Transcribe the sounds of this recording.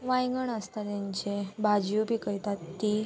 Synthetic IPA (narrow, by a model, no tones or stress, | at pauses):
ʋajŋɡəɳəst̪at̪jaɲt͡ɕebʱad͡ʑjupikəɾjt̪at̪ːi